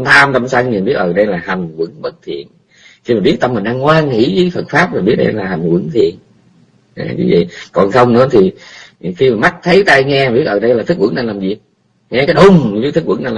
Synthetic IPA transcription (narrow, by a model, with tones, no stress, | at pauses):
mt̪ʰaː˧mt̪a˧msaː˧ɲ˨˩nɓi˦˥ət̚ʔəː˨˩ɗə˧jlaː˨˩ha˨˩jŋ̟wə̰˧˥˦ŋɓə˦˥t̚t̪ʰḭ˨˩˨ən | xi˧maː˨˩ɓi˦˥ət̚t̪ə˧mi˨˩ŋ̟ɗaː˧ŋkwaː˧ŋŋḭ˧˥vəː˨˦fə˨˩t̚faː˦˥p̚maː˨˩ɓi˦˥ət̚ɗə̰˧jlaː˨˩ha˨˩ŋ̟kwə̰˧˥˦ŋt̪ʰi˨˩˨ən | ʔa̰˨˧˩vḭ˨˦vḭ˧˨kɔ˨˩nxə˧wŋ͡mnɨ̰˧˥ət̪ʰi˨˩xi˧maː˨˩ma˦˥jk̟̚t̪ʰə˨˦jt̪a˧jŋɛ˧a˨ɓi˦˥ət̚ʔːɗə˧jlaː˨˩t̪ʰɨ˦˥k̚wə̰˧˥ŋna˨˩jlaː˨˩mzi˨˩ək̚ | ŋɛ˧kaː˨˦jɗʊ˨˩ŋ͡mɲ˨˦i˦t̪ʰɨ˦˥kwə˧˥˦ŋna˧˩lː